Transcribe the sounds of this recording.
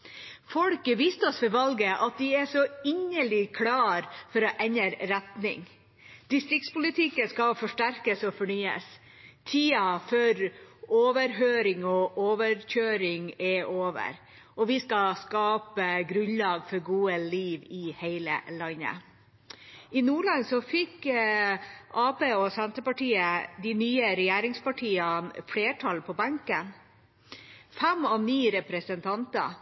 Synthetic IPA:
fɔlkəʋiːst̪əɔsfɔɾʋɑlɡəʔɑt̪̚d̪ɪɛʂɔɪɲːəɭɪkʰlɑːɾfɔɾɔʔɛɲəɾɾɛt̪nɪ̰ŋ | d̪̥ɪst̪ɾɪkt̪spʊlɪt̪ʰɪkːəskɑlfɔʂʈæɾkəsɔfɔɳyːə̰s | t̪ʰiːɑføœɾoːʋəɾɦøːɾɪŋɔʔoːʋəɾçøːɾɪŋɛʔoːʋə̰ɾ | ɔʋɪskɑskɑːpəɡɾʉnlɑːɡfɔɾɡuːəliːʋɪheɪlə̰lɑnːə̰ | ɪnuːɭɑnsɔfɪk | ʔɑːpeːɔsɛnt̪əpɑʈiːəd̪ɪnyːəɾɛjæːɾɪŋspɑʈʰiːɑnfɽeːʈʰɑlpʰɔbɑŋkən | fɛmɑniːɾɛpɾɛsənt̪ʰɑnt̪ɑ̰

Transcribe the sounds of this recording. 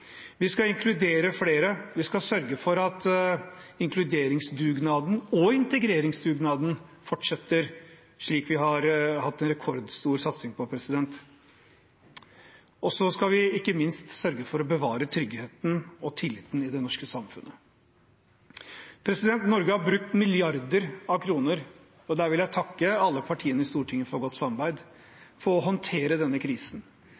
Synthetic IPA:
ʋɪskɑɪŋkʰlʉd̪eːɾəfleːɾəʋɪskɑsœɾɡəfɔɾɑt̪ | ɪŋkʰlʉd̪eːɾɪŋsd̪ʉːɡnɑːd̪n̩ɔɪnt̪əɡɾeːɾɪŋsd̪ʉːɡnɑːd̪n̩fɔʈʂɛt̪ːəɾ | ʂɭiːkʋɪɦɑɾhɑt̪ːɛnɾɛkʰɔɾd̪st̪uːɾsɑt̪sɪŋpʰɔpʰɾɛsɪd̪ɛnt̪ | ʔɔsɔskɑʋɪɪkːəmɪnst̪sœɾɡəfɔɾɔbəʋɑːɾət̪ʰɾʏɡheːt̪n̩ɔt̪ʰɪlːɪt̪ːnɪd̪ɛnɔʂkəsɑmfʉ̰nːə | pʰɾɛsɪd̪ɛnt̪nɔɾɡəhɑɾbɾʉk̚t̪mɪlɪɑɾd̪əɾɑʋkʰɾuːnəɾ | ɔd̪æːɾʋɪljæɪt̪ʰɑkːəɑlːəpʰɑʈʰiːənəɪst̪uːʈʰɪŋːəfɔɾɡɔt̪ːsɑmɑɾbæɪd̪ | fɔɾɔɦɔnt̪ʰeːɾəd̪ɛnːəkʰɾiːsn

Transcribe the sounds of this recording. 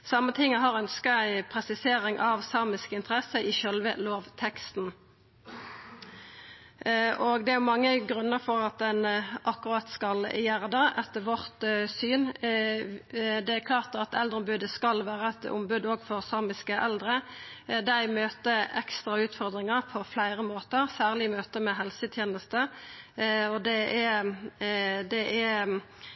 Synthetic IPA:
sɑmːət̪ʰɪŋːəɦɑʁœnskɑæɪpʰʁɛsɪseːɾɪŋʔɑʋsɑːmɪskəɪnt̪ʰəʁɛsəʔɪʃœlʋə̰loːʋt̪ʰɛkst̪n̩ | ʔoɡd̪ɛæʊmɑŋːəɡʁʉnːəʁfɔʁɑt̪̚d̪ɛnʔɑkːʉʁɑːt̪skɑljæːʁd̪ɑʔɛt̪ːəʋɔʁt̪syːn | d̪ɛæɾkʰlɑːʁt̪ɑt̪ɛld̪əʁʊmbʉd̪əskɑlːʋæːʁəɛt̪ʊ̰mbʉd̪oːɡfɔʁsɑːmɪskəʔɛld̪ʁəd̪æɪmøːt̪əʔɛkst̪ʁɑʉːt̪fɔʁd̪ʁɪŋəʁpʰɔflæɪʁəmoːt̪əʁsæːʁlɪmøːt̪əmɛɦɛlsət̪ʰjeːnəst̪ə | ɔd̪ɛʔæ | d̪ɛʔæ

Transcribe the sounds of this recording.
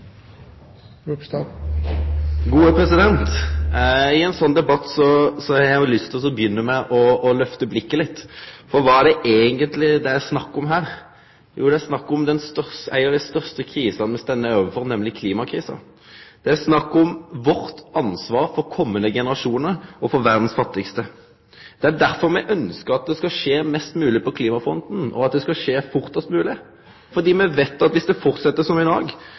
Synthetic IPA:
ɡuːəpʰɾɛsɪd̪ɛnt̪ | ɪɛnsɔnːd̪ɛbɑt̪ːsɔsɔɑɑɾjæɑlːʏst̪ʰɪlɔs̬ɔbjʏnːəmɛʔɔːlœft̪əblɪkːəlɪt̪ːfɔɾʋɑːæɖɛʔeːɡənt̪lɪd̪ɛæɾsnɑkːɔmɦæːɾ | jṵːd̪ɛæsnɑkːɔmd̪ɛnst̪œʁsæ̰ɪəd̪æst̪œʁst̪əkʰɾiːsɑnəmɛst̪ɛnːəoːʋəfɔʁnɛmlɪkʰliːmɑkʰɾiːsə̰ | d̪̥ɛæsnɑkːɔmʋɔɾt̪ɑnsʋɑːɾfɔɾkʰɔmːənəɡɛnəʁɑʂuːnəɾɔfɔɾʋæʁd̪n̩sfɑt̪ːɪkst̪ə | d̪̥ɛæd̪æɾfɔɾmɛʔœnskəɾɑt̪̚d̪ɛskɑʂeːmɛst̪mʉːlɪpɔkʰliːmɑfɾɔnd̪n̩ɔ̰ɑt̪̚d̪ɛskɑʂeːfʊɾt̪sɑt̪mʉːlɪ | fɔɾd̪iːmɛʋeːt̪ːɑt̪ʋɪsd̪ɛfɔɾt̪sɛt̪ːəsɔmɪd̪ɑːɡ

